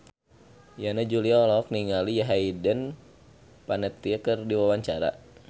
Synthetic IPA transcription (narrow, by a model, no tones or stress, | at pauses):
janad͡ʒuliaɔlɔk̚niŋalijaɦaidən | panɛt̪ːiəkərdiwawaɲt͡ʃaɾa̰